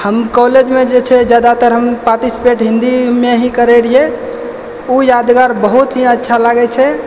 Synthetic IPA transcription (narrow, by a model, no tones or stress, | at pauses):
həmkɔled͡ʒmed͡ʒet͡ʃʰɛd͡ʒjad̪at̪əɾɦəmpaɾʈisi̥peʈɦĩnd̪imeɦĩkəɾeɽie | ujad̪ɡaɾbəɦut̪ɦĩətːʃʰalaɡɛt͡ʃʰɛ